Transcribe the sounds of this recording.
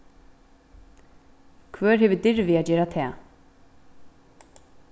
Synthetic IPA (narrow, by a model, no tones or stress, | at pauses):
kʰvœːɹhɛːvʏd̪ɪɹvɪaːd͡ʒeːɾat̪ʰɛː